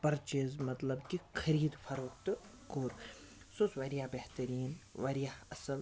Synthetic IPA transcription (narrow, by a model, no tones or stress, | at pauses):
pɐɾt͡ʃeːzmɐt̪lɐbkikʰɐɾiːd̪fʰɐɾoːkt̪ɨ | koːɾ | susʋɐɾijaːbeht̪ɐɾiːnʋɐɾjaɐsɐl